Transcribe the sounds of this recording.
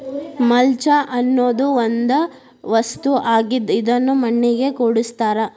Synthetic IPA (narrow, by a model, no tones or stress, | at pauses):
mɐlt͡ʃɐʔɐnːoːd̪uond̪ɐ | ʋɐst̪uʔaːɡid̪id̪ɐnːumɐɳːiɡe̞koːɽist̪aːɾɐ